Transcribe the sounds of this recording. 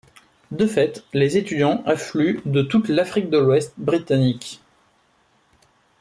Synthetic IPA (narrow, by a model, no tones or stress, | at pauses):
d̪əfɛt̪lezet̪yd̪jɑ̃ʔaflyd̪ət̪ut̪lafχik̚d̪əlwɛst̪̚bʁit̪anik